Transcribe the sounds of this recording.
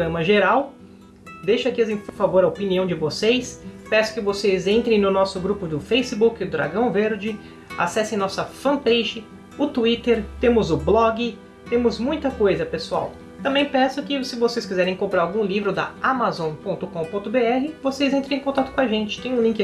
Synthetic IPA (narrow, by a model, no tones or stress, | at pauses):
ɾɐ̃mɐʒeɾaw | d̪ejʃakiɐsẽpʊɾfavoɾɐopiniɐ̃w̃d͡ʒɪvosejspɛsʊ̥kɪvosezẽnt̪ɾẽj̃nʊnɔsʊɡɾupʊd̪ʊfejsɪbukɪʊd̪ɾa̰ɡɐ̃w̃veɾd͡ʒɪ | a̰sɛsẽj̃nɔsɐfɐ̃pejʒɪ | ʊt̪uit̪eɾt̪ẽmʊzʊblɔɡɪ | t̪ẽmʊzmũj̃t̪ɐkojzɐpesua̰w | t̪ɐ̃mbẽj̃pɛsʊkɪsɪvosejskizɛɾẽj̃kõmpɾaɾawɡũlivɾʊd̪ɐ̰amazõpõnt̪ʊkõw̃põt̪ʊbeɛɦɪvosejzẽnt̪ɾẽẽkõt̪at̪ʊkõaʒẽnt͡ʃɪ̥t̪ẽj̃ũlĩŋkɪ